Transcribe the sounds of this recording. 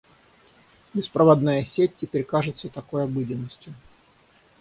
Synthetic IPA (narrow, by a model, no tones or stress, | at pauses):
bʲɪspɾəvɐd̪najəsʲet̚ʲtʲɪpʲeɾʲkaʐɨt̪sət̪ɐkojɐbɨdʲɪnːəsʲtʲjʊ